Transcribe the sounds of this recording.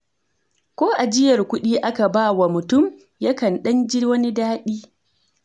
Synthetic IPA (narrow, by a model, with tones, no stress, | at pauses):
kʷoː˦ʔa˨d͡ʒɪ˦jɐ˨rkʷʊ˦ɗiː˦ʔa˦ka˨baː˦wa˨mʊ˨tʊ˦˨m | ja˦kɐ˨nɗɐ˦nd͡ʒɪ˦wɐ˦ni˦daː˦ɗiː˦